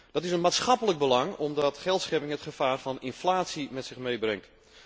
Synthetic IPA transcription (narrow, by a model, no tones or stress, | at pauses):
d̥ɑtɪsənmaːtsχɑpələɡ̚bəlɑŋɔmdɑtχɛlˠtsχɛpɪŋɦətχəfaːrvɑnɪnflaːtsimɛtsɪχmejbrɪŋt